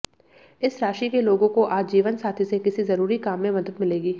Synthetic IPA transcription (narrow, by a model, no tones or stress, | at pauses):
ɪsɾaːʃikeloːɡõkoʔaːd͡ʒd͡ʒiːʋənsaːt̪ʰisekɪsizɐɾuːɾikaːmːẽmɐd̪əd̪mɪleːɡiː